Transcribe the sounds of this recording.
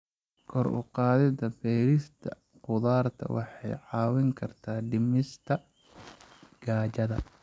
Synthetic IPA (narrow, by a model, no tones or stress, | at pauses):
kʰɔrʊ̰qɑːðɪd̪ɐfɛjɾɪst̪ʰɐ | qʊðaːrt̪ʰɐ̰wɑ̰ħɑ̰jʕɑːwɪŋkʰɐrt̪ʰaːɖɪmɪst̪ʰɐ | ɡ̥aːt͡ʃɐðɐ̰